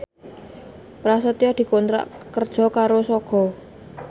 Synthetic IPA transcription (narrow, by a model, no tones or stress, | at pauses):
pɾasət̪jɔd̪̥i̤kɔnt̪ɾa̰ʔkərd̥ʒ̥ɔ̤kaɾosɔɡ̥ɔ̤